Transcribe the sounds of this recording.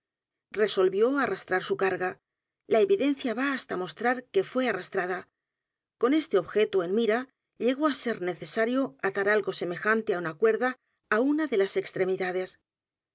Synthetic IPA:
re̞so̞lβjo̞arast̪ɾaɾsukaɾɣa | laeβiðe̞n̟θjaβaːst̪amo̞st̪ɾaɾke̞fwe̞arast̪ɾaða | ko̞ne̞st̪e̞o̞βxe̞t̪oenmiɾa | ʎe̞ɣo̞ase̞ɾne̞θe̞saɾjo̞aðaɾalɣo̞se̞me̞xant̪e̞aunakwe̞ɾðaː | unaðe̞lasekst̪ɾe̞miðað̞e̞s

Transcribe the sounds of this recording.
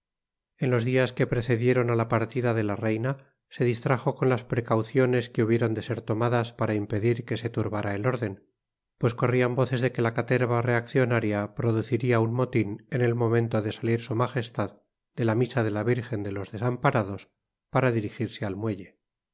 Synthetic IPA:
e̞nlo̞zðiaske̞pɾe̞θe̞ðje̞ɾo̞nalapaɾt̪iðaðe̞lare̞jna | se̞ðist̪ɾaxo̞ko̞nlaspɾe̞kawθjo̞ne̞skeuβ̞jeɾo̞nd̪e̞se̞ɾt̪o̞maðaspaɾaimpe̞ðiɾke̞se̞t̪uɾβaɾae̞lo̞ɾðe̞n | pwe̞sko̞riambo̞θe̞zðe̞ke̞lakat̪e̞ɾβare̞akθjo̞naɾjapɾoðuθiɾiaunmo̞t̪ine̞ne̞lmõ̞mẽ̞nt̪o̞ðe̞saliɾsumaxe̞st̪að | d̪e̞lamisaðe̞laβiɾxe̞nd̪e̞lo̞zðe̞sampaɾaðo̞s | paɾaðiɾixiɾsealmwe̞ʎe̞

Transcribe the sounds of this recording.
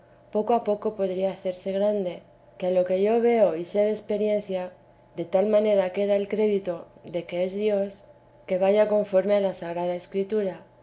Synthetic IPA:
po̞koapo̞ko̞po̞ðɾiaːθe̞ɾse̞ɣ̞ɾand̪e̞ | kealo̞ke̞ʝo̞βe̞o̞ise̞ðe̞spe̞ɾje̞nθja | ðe̞t̪almãne̞ɾake̞ð̞aelkɾe̞ðit̪o̞ðe̞ke̞ezðjo̞s | ke̞β̞aʝako̞ɱfo̞ɾmealasaɣ̞ɾað̞ae̞skɾit̪uɾa

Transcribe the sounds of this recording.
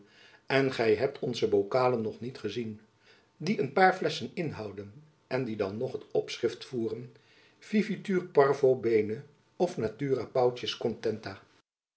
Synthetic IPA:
ɛnχɛjɦɛp̚tʰɔnzəbowkaːlənːɔχnitχəzin | diʔənpaːɹflɛsənɪnɦɑwdən | ʔɛndidɑnːɔχətɔpsrɪftfuːrən | v̥ivityːrpɑɹvowbejnə | ɔfnatyːrapɑwtəskɔntɛntaː

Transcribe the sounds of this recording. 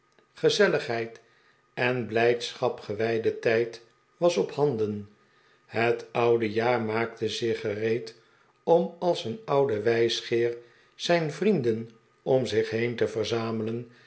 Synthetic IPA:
χəzɛləχɦɛjt | ɛnblɛjtsχɑpχəʋɛjdətɛjt | ʋɑsɔphɑndən | hətʌwdəjaːɹmaːk̚təzɪχərejt | ɔmɑlˠsənʌwdəʋɛjsχɪːɹ | z̥ɛjnvrindən | ɔmzɪχɦejntəvəɹzaːmələn

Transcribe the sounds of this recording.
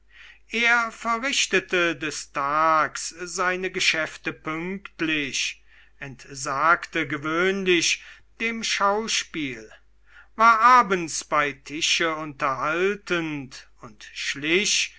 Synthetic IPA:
ʔeːɐfɛɐʁɪʃtətədɛstʰaːkszaɪnəɡəʃɛftəpʏŋktlɪʃ | ʔɛntz̥aːktəɡəvøːnlɪʃ | d̥eːmʃaʊʃpiːl | vaːɐʔaːbənsb̥aɪtʰɪʃəʊntɐɦaltənt | ʊntʃlɪɕ

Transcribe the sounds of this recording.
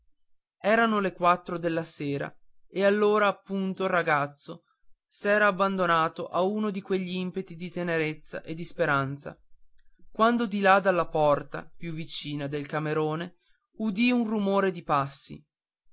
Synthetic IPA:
ɛːɾanolekwat̪ːɾod̪elːaseːɾa̰ | ealːoːɾaːpːunt̪orːaɡat̪sːo | sɛːɾaːbːand̪onaːt̪oʔauːnod̪ikweʎːiimpet̪id̪it̪eneɾet̪sːa̰ʔed̪ispeɾant̪sa̰ | kwand̪od̪ilad̪alːapɔrt̪a̰pjuvːit͡ʃiːnad̪elkameɾoːne | ud̪iunrumoːɾed̪ipasːḭ

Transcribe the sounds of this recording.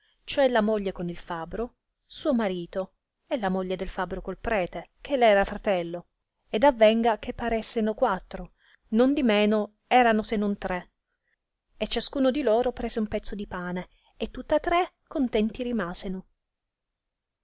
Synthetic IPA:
t͡ʃoɛlamoʎːekonilfabɾo | suːomaɾiːt̪o | elamoʎːed̪elfabɾokolpɾɛːt̪ek̟ʰelɛːɾafɾat̪ɛlːo | ed̪avːɛŋɡak̟ʰepːaɾesːenokwat̪ːɾo | nond̪imeːno | ɛːɾanosenːont̪ɾe | et͡ʃːaskuːnod̪iloːɾopɾɛːzeumpɛt̪sːod̪ipaːne | et̪ːut̪ːat̪ːɾekːont̪ɛnt̪iɾimaːzeno

